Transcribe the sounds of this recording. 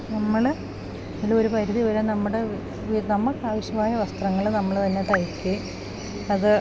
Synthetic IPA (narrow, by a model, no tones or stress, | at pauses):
nɐmːɐɭ | ðilːɐoɾupɐɾuðiʋɐɾenɐmːuɽe̞ | ʋinɐmːɐkːaːʋɐɕjɐmaːjɐʋɐst̪rɐŋːɐɭnɐmːɐɭt̪ɐnːeʈːɐjikːe | ɐðɨ